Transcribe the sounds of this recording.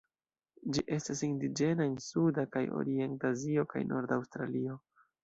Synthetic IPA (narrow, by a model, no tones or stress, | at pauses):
d͡ʒiʔe̞stasindid͡ʒe̞naensudakajo̰ɾie̞ntazio̞ka̰jnʔo̞̰ɾdawstɾalio̞